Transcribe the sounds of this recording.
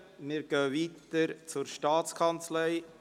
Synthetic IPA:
mɪɾɡ̥œːʋiːt̪əɾt͡sʊɾʃtɑːt͡skʰɑnt͡slɛɪ

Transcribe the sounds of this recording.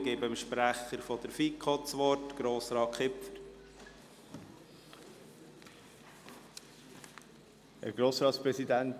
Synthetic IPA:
ɡebəmʃpɾæχəɾfɔd̪əɾfikχɔtsʋɔɾtɡ̥ɾoːsɾɑːkʰχɪpfəɾ | æ̰ɾɡ̥ɾoːsɾɑːt̪spɾɛsidænt

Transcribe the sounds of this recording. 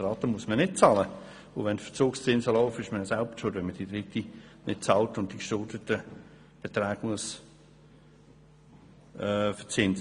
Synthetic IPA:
ɾɑːt̪əmuəsmənɪt̚t͡sɑːlə | ʊʋɛntfə̥t͡suːkst͡sɪnsəlɔʊfɪʃməjsalbʃoːdʋɛnməd̥id̥̪ɾɪtinʔɪ̰t̚t͡sɑltʊnt̚d̥ikʃʊldətə | b̥et̪ɾaːɡ̥muəs | ɛfət͡sɪns

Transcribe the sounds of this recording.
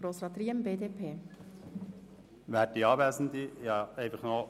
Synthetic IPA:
ɾoːsɾɑːt̪ɾiːəmbeːdepʰeː | ʋæːdiɑːʋɛːsn̩d̪ijɑɛɪfəχnɔ

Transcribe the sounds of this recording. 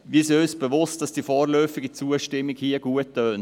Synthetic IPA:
ʋisiœʏsb̥əvʊstd̥ɑsd̥iːfɔːrlœːfɪɡət͡suəʃtɪmːɪkhiəɡuətːøːn

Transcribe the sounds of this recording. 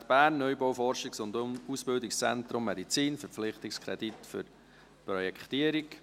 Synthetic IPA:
tb̥æːɾnːœjbɔwfɔɾʃɪksʊnd̪usb̥ɪldɪkst͡sɛ̰nt̪ɾʊmːɛd̪it͡siːnfəp͡fflɪχtɪkskʰɾɛditfʏ̰ɾ | pɾɔjɛkχt̪iəɾɪk

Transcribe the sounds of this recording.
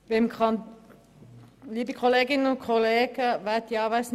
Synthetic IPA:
ʋɛmkʰɑn | liːbəkʰɔleːɡɪnəɔkʰɔleːɡəʋæɪt̪jɑʋæs

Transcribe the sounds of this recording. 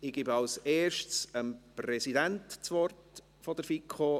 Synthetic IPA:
ɪɡ̥ɪbɑwseːɾʃtsəmprɛsidɛntt͡sʋɔrt | fɔd̥əɾfikʰχo

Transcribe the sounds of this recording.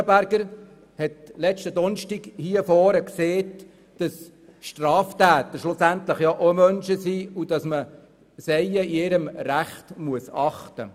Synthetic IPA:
əbæɾɡəɾ | hɛtlɛt͡ʃtədɔnʃtiɡhiəfɔːɾəkseːt | d̥ɑs | ʃtrɑːftæːt̪əʃlʊsænt̪lɪχjɑʔomœnʃəsiːud̥ɑsmə | sɛɪəiɪɾəmræχtmuəsɑχtə̰

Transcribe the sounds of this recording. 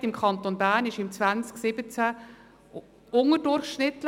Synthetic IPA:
tɪmkʰχɑnt̪onbæːɾnɪʃɪmt͡svænt͡sksɪbət͡sæ | ʊŋədʊɾχʃnɪt̪lə

